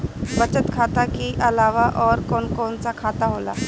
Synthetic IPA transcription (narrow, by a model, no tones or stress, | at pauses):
bət͡ʃət̪kʰat̪akiʔɐlaːʋaʔɔːɾkɔnkɔnt͡sakʰaːt̪aɦola̰